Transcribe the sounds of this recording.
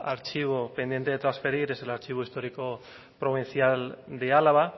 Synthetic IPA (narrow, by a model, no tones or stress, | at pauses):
aɾt͡ʃiβ̞o̞pe̞nd̪je̞nt̪eet̪ɾansfe̞ɾiɾe̞se̞laɾt͡ʃiβ̞o̞ist̪o̞ɾiko̞ | pɾo̞β̞inθiald̪ealaβa